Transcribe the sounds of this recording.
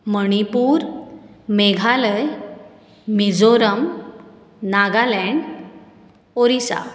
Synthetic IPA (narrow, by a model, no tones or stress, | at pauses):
məɽ̃ipuːɾ | meɡʱaləj | mid͡zoɾəm | naɡalɛɳɖ | oɾisa̰